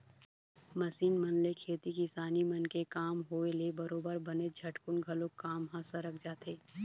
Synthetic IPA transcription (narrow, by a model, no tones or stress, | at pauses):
mɐsiːnmɐnlekʰeːt̪ikisaːnimɐnkekaːmɦoːelebɐɾoːbəɾbɐned͡ʒʱɐʈkʊnɡʱɐlõkaːmɦãsɐɾək̚ʰd͡ʒaːt̪eː